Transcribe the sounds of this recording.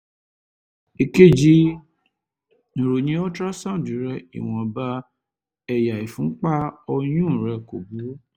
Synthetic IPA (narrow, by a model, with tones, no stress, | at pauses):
i˨ke˦˨d͡ʒi˧ | nĩ˨ɾo˨ɲĩ˨˦ɔ˦tɾa˦sã˦˨di˨˦ɾɛ˧ḭ˨w̃ɔ̃˨ba˧ | ɛ˨ja˨i˨fũ˨˦k͡pa˦ɔ˧j̃ũ˦˨ɾɛ˧ko˨bu˨˦